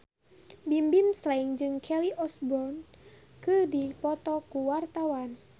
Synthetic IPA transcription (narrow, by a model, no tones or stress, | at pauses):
bimbimslaiŋd͡ʒɨŋkʰɛliʔɔsbɔrn | kɨdipɔt̪ɔkuwart̪awan